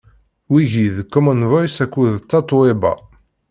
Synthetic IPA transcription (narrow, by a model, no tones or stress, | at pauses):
wiʝiðkːɔmənvajsækʷːuðt͡sːɑt̪ˤwebɑ̰